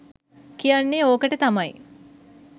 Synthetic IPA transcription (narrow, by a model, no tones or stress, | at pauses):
kijanːeoːkəʈət̪amaj